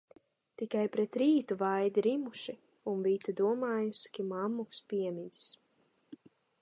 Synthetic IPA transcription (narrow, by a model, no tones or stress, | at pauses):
t̪ikajpɾɛt̪ɾiːt̪uvajd̪iɾimuʃi | unvit̪ad̪uɔmaːjuskimamːukspʲiɛmid̪zi̥s